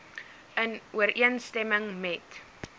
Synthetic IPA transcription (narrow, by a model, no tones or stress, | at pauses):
ənuərʔiənstɛməŋmɛt